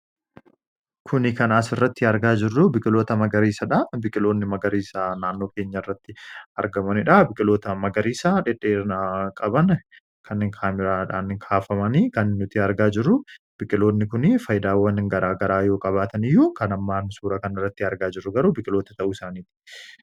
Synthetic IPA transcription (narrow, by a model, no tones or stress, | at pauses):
kʰʊnɪkɐnaːsɪrːɐt̪ːɪɐɾɡaːd͡ʒɪrːʊbɪkʼɪlo̞ːt̪ɐmɐɡɐɾiːsɐᶑabɪkʼɪlo̞ːnːɪmɐɡɐɾiːsaːnaːnːo̞ːke̞ːɲːɐɪrːɐt̪ːɪɐɾɡɐmɐnɪᶑabɪkʼɪlo̞ːt̪ɐmɐɡɐɾiːsaːᶑɪᶑeːnakʼɐbɐn | kʰɐnɪŋkʰaːmɪɾaːᶑaːnɪŋkʰaːfɐmɐniːkɐnːɪːʊt̪iːɐɾɡaːd͡ʒɪrːʊ | b̥ɪkʼɪlo̞ːnːɪkʊnɪfɐjd̪aːwːɐnɡɐɾaːɡɐɾaːjo̞ːkʼɐβaːt̪ɐnɪjːukɐnɐmːaːnsuːɾɐkɐnɪrːɐt̪ːɪɐɾɡaːd͡ʒɪrːʊɡɐɾuːbɪkʼɪlo̞ːt̪ɐt̪ɐʔuɪsaːniːt̪ɪ̥